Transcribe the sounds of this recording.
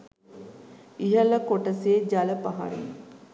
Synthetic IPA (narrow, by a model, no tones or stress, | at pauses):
iɦələkoʈəseːd͡ʒaləpaɦa̰ɾḛn